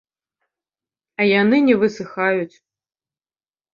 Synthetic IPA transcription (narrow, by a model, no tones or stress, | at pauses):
ɐjanɨnʲɛvɨsɨxajut͡sʲ